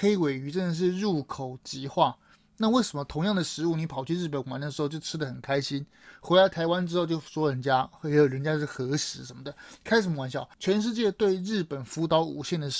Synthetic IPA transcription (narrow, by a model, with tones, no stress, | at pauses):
xe˥ɪ˧we˨˩ɪy˧˥ʈ͡ʂə˥˩nd̪ə˩ʂ̬ɻ̩˥˧ɻu˥˩kʰo˨˩ʊt͡ɕi˧˥xwa˥˩ | na˥˧we˥˩ɪʂə˧˥mə˧t̪ʰʊ˧˥ŋjɑ˥˩ŋd̪ə˩ʂɻ̩˧˥u˥˩ni˧˥pʰɑ˨˩ʊt͡ɕʰy˥˧ɻ̩˥˩p̬ə˧˦nwa˧˥nd̪ə˩ʂɻ̩˧˥xo˥˧ʊt͡ɕo˥˩ʊʈ͡ʂʰɻ̩˥d̪ə˨xə˨˩nkʰa˥ɪɕi˥n | xwe˧˥ɪla˧˥ɪt̪ʰa˧˥ɪwa˥nʈ͡ʂɻ̩˥xo˥˧ʊt͡ɕjo˥˩ʊswɔ˥ɻə˧˥nt͡ɕja˥jjʊɻə˧˥nt͡ɕja˥ʂxɤ˧˥ʂɻ̩˧˥ʂə˧˥nmə˨˩d̪ə˩kʰa˥ɪʂɻ̩˨˩˧wa˧˥nɕjɑ˨˩ʊt͡ɕʰɥɛ˧˥nʂ̬ɻ̩˥˧t͡ɕjɛ˥˧t̪we˥˧ɪɻɻ̩˥˩pə˨˩nfu˧˥t̪ɑ˧˥ʊṵ˨˩ɕjɛ˥˩nd̪ə˩